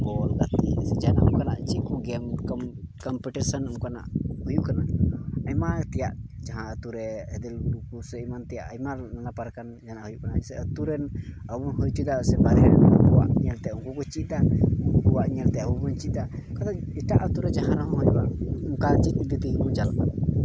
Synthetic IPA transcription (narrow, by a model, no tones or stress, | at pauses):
bɔlɡat̪isɛd͡ʒanaʔmkanaʔt͡ʃikɔɡɛmkɔmkɔmpɛʈisanəmkana̰ʔhujuʔkanaajmat̪ɛjaʔd͡ʒaɦãʔət̪uɾɛhɛd̪ɛlɡuɾukusɛimant̪ɛjaʔajmananapaɾkand͡ʒanaʔhujuʔkanaɛsɛət̪uɾɛn | əbunɦujt͡ʃ̪ud̪asɛbaɾɛɾnabuwa̰ʔɲɛlt̪ɛuŋkukɔt͡ʃit̪̚d̪auŋkukuwaʔɲɛlt̪ɛəbubɔnt͡ʃit̪̚d̪akat̪aiʈaʔət̪uɾɛd͡ʒaɦãɾaɦɔ̃ɦɔjubamkat͡ʃit̪̚d̪it̪imɔ̃d͡ʒalʔa